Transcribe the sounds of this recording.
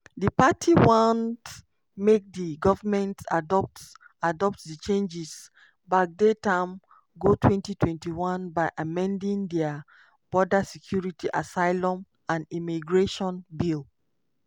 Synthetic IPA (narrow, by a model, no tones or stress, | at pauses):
dəpatʰiwɔ̃nt | mek̚diɡɔvamɛ̃ntadɔp̚t | adɔp̚tdit͡ʃẽnd͡ʒis | bak̚detãm | ɡotʰwɛ̃ntitwɛ̃ntiwɔ̃nbaɪʔamɛ̃ndĩŋdɛa | b̥ɔdasɛkʰjuɹitiʔasaɪlɔ̃m | ãnimiɡɹeʃɔ̃nbil